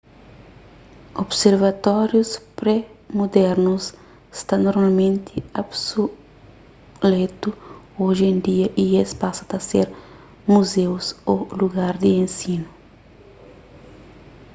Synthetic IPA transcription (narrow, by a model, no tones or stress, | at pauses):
obseɾvɐt̪ɔɾjuspɾɛmod̪ɛɾnus | st̪anoɾmalmẽnt̪ʰiabso | let̪u | oʒẽnd̪iɐʔiespasɐ̥t̪ɐseɾ | muzewsoluɡaɾd̪iẽnsinu